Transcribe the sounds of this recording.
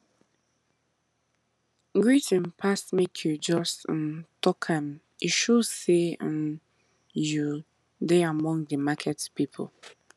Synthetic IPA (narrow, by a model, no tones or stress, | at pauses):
ɡɹitə̃npʰasmekʰjud͡ʒɔsntʰɔkʰãm | iʃoseə̃n | ju | deamɔ̃ŋdəmakʰɛtpipʰo̰